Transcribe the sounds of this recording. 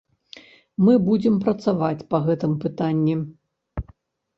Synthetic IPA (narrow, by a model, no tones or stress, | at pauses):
mɨbud͡zʲɪmpɾɐt̪savat͡sʲpɐɣɛt̪ɨmpɨt̪anʲːi